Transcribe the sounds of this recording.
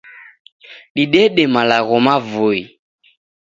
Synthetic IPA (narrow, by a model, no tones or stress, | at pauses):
ɗiɗɛɗɛmalaɣɔmavoi